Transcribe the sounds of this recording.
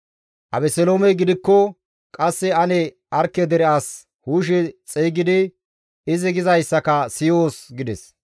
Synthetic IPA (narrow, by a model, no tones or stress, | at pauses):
ʔɐ̰bɛsɛloːmɛɡɪd̪ɪkːɔ | kʼɐsːɛɐnɛ | ʔɐɾkːɛd̪ɛɾɪaːs | huːʃ̬ɛt͡sʼɛːɡɪd̪ɪ | ɪzɪɡɪzɐjsːɐkɐsɪjoːsɡɪd̪ɛ̰s